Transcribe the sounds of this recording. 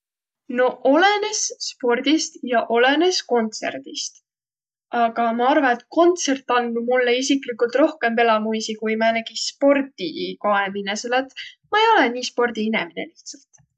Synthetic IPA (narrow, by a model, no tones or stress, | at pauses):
no̞ʔo̞le̞ne̞sːpo̞rd̪̥ist̪jɑʔo̞le̞ne̞sko̞nt̪se̞̰rd̪̥ist̪ | ɑɡ̥ɑmɑɑrvɑnet̪̚ko̞nt̪se̞rt̪ˑːɑnːumulːeisiklikːult̪ro̞hke̞mpe̞lɑmujsikujmɑnæɡ̥ispo̞rd̪ikoemineselːɑt̪mɑejo̞leniːspo̞rd̪̥iineminḛliht̪sɑlt̪